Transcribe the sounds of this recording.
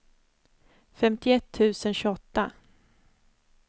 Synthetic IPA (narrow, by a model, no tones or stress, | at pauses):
fɛmt̪ɪɛt̪ʰːʉ̟ːsənɕʉɔt̪ːa